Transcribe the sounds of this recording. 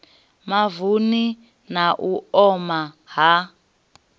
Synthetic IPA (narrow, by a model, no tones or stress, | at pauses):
mavuni | naʔuɔma | ɦa